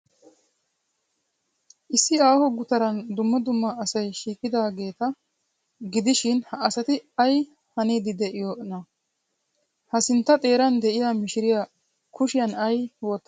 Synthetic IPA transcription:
ʔɪsːɪaːhɔɡʊt̪ɐɾɐnd̪ʊmːɔd̪ʊmːɐːsɐjʃiːkʼːɪd̪aːɡe̞ːt̪ɐ | ɡɪd̪ɪʃɪnhɐːsɐt̪ɪɐj | hɐniːd̪ɪd̪ɛʔɪjoʔɪnɐ | hɐsɪnt̪ːɐt̪ʼe̞ːɾɐnd̪ɛʔɪjamɪʃɪɾɪja | kʰʊʃɪjɐnɐjwɔːt̪ːɐ

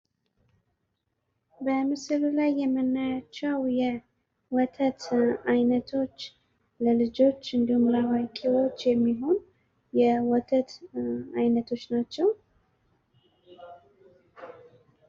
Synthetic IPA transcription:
bəmɨsɨllajːɛmːənːajat͡ʃːɛwjɛ | wɔt̪ʰət̪ajnət̪ʰo̞t͡ʃː | ləlɨd͡ʒo̞t͡ʃːɨnd̪ihumɾawajkʼewo̞t͡ʃːjɛmːiɦo̞n | jɛwɔt̪ʰət̪ajnət̪ʰo̞t͡ʃːnat͡ʃːɛw

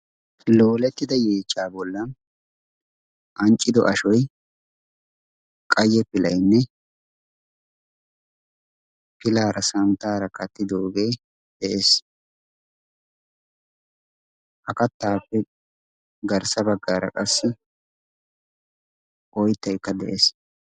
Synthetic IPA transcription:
loːlɛt̪ːɪd̪ɐjeːt͡ʃʼːaːbɔlːɐn | ʔɐnt͡ʃʼːɪd̪ɔ̰ʔɐʃɔj | kʼɐjːɛpːɪlɐjnːɛ | pɪlaːɾɐsɐmt̪aːɾɐkɐt̪ːɪd̪oːɡeː | d̪̥ɛʔeːs | ʔɐkɐt̪ːaːpːɛ | ɡɐɾsɐbɐɡːaːɾɐ̰kʼɐsːɪ | ʔɔjt̪ːɐjkːɐd̪ɛ̰ʔes

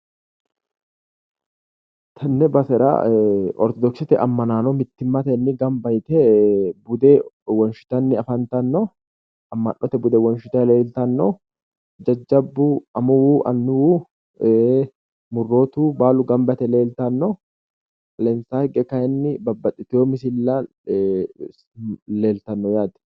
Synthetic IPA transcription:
t̪ʰɐnːɛbɐsɛɾa̰ːɔ̰ɾt̪ɔd̪ɔksɪt̪ɛʔɐmːɐnaːnɔmɪt̪ːɪmːat̪ɐɛnːɪɡɐmbɐjt̪ɛbʊd̪ewɐnʃʊ̥t̪ɐnːɪɐfɐnt̪ɐnːɔ | ɐmːɐ̰nːɔt̪ɛbʊd̪ɛwɐnʃʊt̪ɐleːlt̪ɐnːɔ | d͡ʒɐd͡ʒːɐbːuɐmːɐwuːʔɐ̰nːʊwuː | mʊrːoːt̪uːbaːlʊɡɐmbɐt̪ɛle̞ːlt̪ɐnːɔ | ɐlɛnsaːhɛɡɛkɐjɛnːɪbɐbːɐt̪ʼːɪt̪ɪoːmɪs̬ɪlːa | le̞ːlt̪ɐnːɔjaːd̪

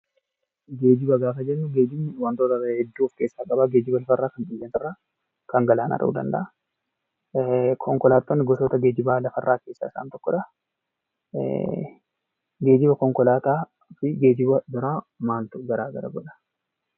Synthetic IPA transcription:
ɡeːd͡ʒɪbɐɡaːfɐd͡ʒɛnːʊɡe̞ːd͡ʒɪmːɪwɐnt̪oːt̪ɐhɛd̪ːuːɔfkeːsːaːkʼɐbaɡe̞ːd͡ʒɪbɐlɐfɐrːaːkɐnkɪlːent̪ɪrːaː | kɐŋɡɐlaːnʔɐ̰ɾʔɐʔṵːd̪ɐ̰nd̪ɐ̰ʔɐ | kʰɔŋkɔlaːt̪ʼːoːnːɪɡɔt̪oːt̪ɐɡe̞ːd͡ʒɪbaːlɐfɐrːaːke̞ːsːaːɪsa̰ːnt̪ɔkːɔᶑɐ | ɡe̞ːd͡ʒɪbɐkɔŋkɔlaːt̪aː | fɪɡe̞ːd͡ʒɪbɐd̪ʊɾaː | maːlt̪ʊɡɐɾaːɡɐɾɐ̰ɡɔᶑɐ̥

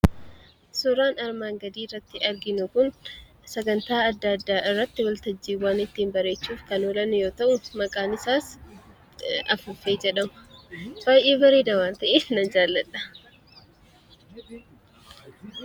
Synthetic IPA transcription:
sʊɾaːnɐɾmaːŋɡɐd̪iːrːɐt̪ːɪɐɾɡɪnʊkʊn | sɐɡɐnt̪aːɐd̪ːɐd̪ːaːʔɪrːɐt̪ːɪwɐlt̪ɐd͡ʒːiːwaːnɪt̪ːiːnbɐɾe̞ːt͡ʃːuːfkɐnolɐnjo̞ːt̪ɐʔʊmɐkʼaːnɪsaːs | ɐfʊfeːd͡ʒɛᶑɐmʊ̥baːjʔeːbɐɾeːd̪ɐwaːnt̪ɐʔeːnɐd͡ʒaːlːɐᶑɐ̥

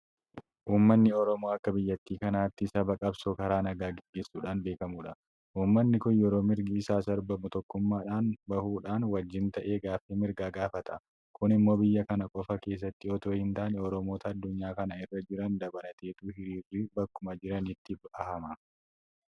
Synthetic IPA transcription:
ʔuːmːɐnːɪɔɾɔmoːɐkːɐbɪjːɐt̪ːiːkɐnaːt̪ːɪsɐbɐkʼɐbsoːkɐɾaːnɐɡaːɡɪɡːe̞ːsːuːᶑaːnbe̞ːkɐmuːᶑɐ | ʔuːmːɐnːɪkʊnjɛɾo̞ːmɪɾɡiːsaːsɐɾbɐmʊt̪ɔkːʊmːaːᶑaːnbɐhuːᶑaːnwɐd͡ʒːɪnt̪ɐʔe̞ːɡaːfiːmɪɾɡaːɡaːfɐt̪ɐ | kʊnɪmːo̞ːbɪjːɐkɐnɐkʼɔfɐke̞ːs̬ːɐt̪ːɪɔt̪oːhɪnt̪aːnɛɔɾɔmo̞ːt̪ʰɐːd̪ːʊɲːaːkɐnɐɪrːɐd͡ʒɪɾɐnd̪ɐbɐlɐt̪e̞ːt̪uːhɪɾiːrːiːbɐkːʊmɐd͡ʒɪɾɐnɪt̪ːɪbɐhɐmɐ

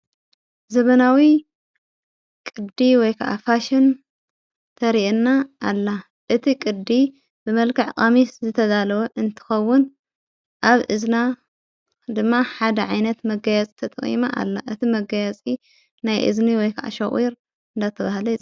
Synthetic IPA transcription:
zɐβɐnawi | kʼɨd̪iwɔjkʰaʔa̰faʃɪn | t̪ʰɐɾiʔnːaʔːlːa | ʔɨt̪ʰikʼɨd̪i | bɨmɐlkʰɨʕkʼamiszɨt̪ʰɐzalɐwoʔɨnt̪ʰɨ̥xɐwːʊn | ʔaβʔɨzna | d̪ɨmːaħad̪ɐʕajnɐt̪mɐɡɐjat͡sʼi̥t̪ʰɐt̪ʼχʼḭmaʔa̰lːaʔɨt̪ʰimɐɡɐjat͡sʼi | najʔɨ̰zniwɔjkʰaʔa̰ʃɐɣʼiɾ | ɨnd̪at̪ʰːɐβahlɐt͡sʼ

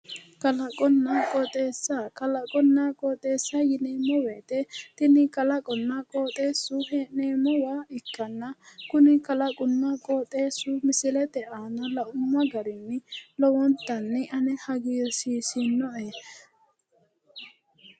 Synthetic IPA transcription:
kɐlɐkʼɔnːɐkʼɔt̪ʼe̞ːsːakɐlɐkʼɔnːɐkʼɔːt̪ʼe̞ːsːajɪneːmɔweːt̪ɛt̪ɪnɪkɐlɐkʼɔnːɐkʼoːt̪ʼe̞ːsːʊhɛneːmɔwaːɪkːɐnːɐkʊnɪkɐlɐkʼʊnːɐkʼoːt̪ʼe̞ːsʊmɪsɪlɛd̪ɛʔaːnɐlɐʔʊmːɐɡɐɾɪnːɛlɔwɔnt̪ːɐnːɛʔɐnɛhɐɡiːsiːsɪnːɔʔe

